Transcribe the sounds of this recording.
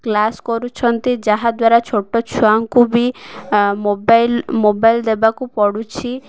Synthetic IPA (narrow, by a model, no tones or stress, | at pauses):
klaskɔɾut͡ʃʰɔnt̪id͡ʒaɦad̪waɾat͡ʃʰoʈɔt͡ʃʰuaŋkubi | mobajlmobajld̪ebakupɔɽut͡ʃʰi